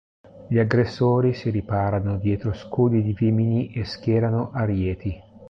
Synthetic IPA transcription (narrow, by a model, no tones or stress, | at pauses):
ʎiaɡɾesːoːɾisiɾipaːɾanod̪jɛːt̪ɾoskuːd̪id̪iviminiʔeskjɛːɾanoʔaɾjɛːt̪i